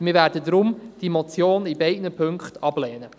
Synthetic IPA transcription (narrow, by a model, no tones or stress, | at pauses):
mɪːɾvæːɾdədɾʊmd̥imɔt͡sjoːnibɛɪdnəpʰɵŋkχtɑblɛːnə